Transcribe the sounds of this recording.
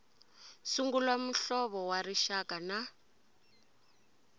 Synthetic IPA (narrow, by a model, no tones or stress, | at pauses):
suŋɡulwam̩ɬɔβɔwaɾiʃakana